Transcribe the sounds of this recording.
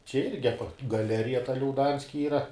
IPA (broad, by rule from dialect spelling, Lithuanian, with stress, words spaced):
t͡ʃʲɛ ˈɪrʲɡʲɪ ɐˈpɐ ɡɐˈlʲæːrʲɪjɛ tɐ lʲɛʊˈdɐnʲsʲkʲɪ ˈiːrɐ